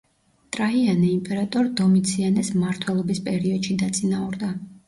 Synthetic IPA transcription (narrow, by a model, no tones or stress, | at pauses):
t̪ʼɾaianɛimpʼɛɾat̪ʼɔɾd̪ɔmit̪sʰianɛsmaɾt̪ʰwɛlˠɔbispʼɛɾiɔd̪ʃid̪at̪sʼinauɾd̪a